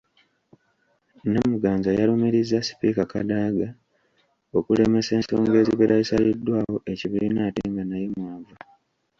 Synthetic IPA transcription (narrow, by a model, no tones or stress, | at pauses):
namuɡaːnzajalumiɾizːasi̥pikaka̰daːɡa | o̞kule̞me̞se̞ːnso̞̰ːŋɡe̞ːziβeɾʔaisalidːwaːwo̞ʔe̞ciβiɾinaːtiːŋɡanajemwaːva